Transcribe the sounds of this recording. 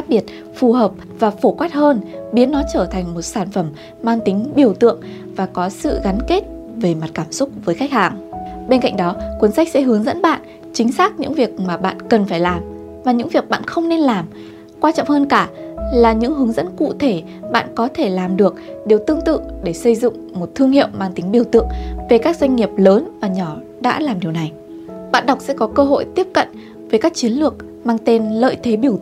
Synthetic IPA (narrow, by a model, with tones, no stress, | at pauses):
xaː˦˥k̚ɓi˧˩ət̚ | fu˨˩ɦəː˨˩p̚ | vaː˨˩fo˧˩kwaː˦˥t̚həː˧nɓi˨˦ənːɔ˨˦t͡ɕəː˧˩t̪ʰa˨˩ŋ̟mo˨˩t̚saː˧˩nfə˧˩m | maː˧ŋt̪ï˨˦ŋ̟ɓi˧˩əwt̪ɨ̰˧˨əŋ | vaː˨˩kɔ˨˦sɨ̰˧˨ɣa˨˦nke˦˥t̚ | ve˨˩ma˨˩t̚kaː˧˩msʊ˦˥k͡p̚vəː˨˦jxa˦˥jk̚haː˨˩ŋɓe˧nka̰˧˨ŋ̟ɗɔ˨˦kwə˨˦nsa˦˥k̟̚sɛ̰˧˥ɦɨ˨˦əŋzə̰˧˥nɓa̰ː˧˨nʔ | t͡ɕï˨˦ŋ̟saː˦˥k̚ɲɨ̰˧˥ŋvi˨˩ək̚maː˨˩ɓa̰ː˧˨nkə˨˩nfaː˧˩jlaː˨˩m | vaː˨˩ɲɨ̰˧˥ŋvi˨˩ək̚ɓa̰ː˧˨nxə˧wŋ͡mne˧nlaː˨˩m | kwaː˧t͡ɕɔ̰˧˨ŋ͡mhəː˧nkaː˧˩laː˨˩ɲɨ̰˧˥ŋɦɨ˨˦əŋzə̰˧˥nkṵ˧˨t̪ʰe˧˩ | ɓa̰ː˧˨nkɔ˨˦t̪ʰe˧˩laː˨˩mɗɨ˨˩ək̚ɗe˨˩wt̪ɨ˧əŋt̪ɨ̰˧˨ɗe˧˩sə˧jzʊ̰˧˨ŋ͡mmo˨˩t̚t̪ʰɨ˧əŋhḭ˧˨əwmaː˧ŋt̪ï˨˦ŋɓi˧˩əwt̪ɨ̰˧˨əŋve˨˩kaː˦˥k̚zwa˧jŋ̟ŋi˨˩əp̚ləː˨˦nvaː˨˩ɲɔ˧˩ | ɗa̰ː˧˥laː˨˩mɗi˨˩əwna˨˩j | ɓa̰ː˧˨nɗa˨˩wk͡p̚sɛ̰˧˥kɔ˨˦kəː˧ɦo̰˧˨jt̪i˦˥əp̚kə̰˧˨n | veː˨˦jkaː˦˥k̚t͡ɕi˨˦ənlɨ˨˩ək̚ | maː˧ŋt̪e˧nlə̰ː˧˨jt̪ʰe˨˦ɓi˧˩ə